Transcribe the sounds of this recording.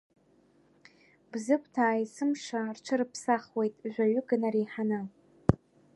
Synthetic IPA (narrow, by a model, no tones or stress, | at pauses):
bzɨkʷʰʼtʰaːjsɨmʂarʈ͡ʂʰɨrɨpʰsaχwe̞jtʼʒʷaɥʏɡɨnaɾiħanɨ